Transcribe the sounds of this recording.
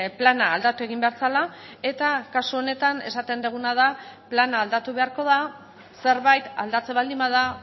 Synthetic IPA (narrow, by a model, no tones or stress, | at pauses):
planaːld̪at̪ue̞ɣ̞imbeaɾt͡sala | e̞t̪akasuo̞ne̞t̪ane̞̰sat̪e̞nd̪eɣ̞unað̞aplanaːld̪at̪uβe̞aɾko̞ð̞a | se̞ɾβajt̪a̰ld̪at͡se̞βald̪imbað̞a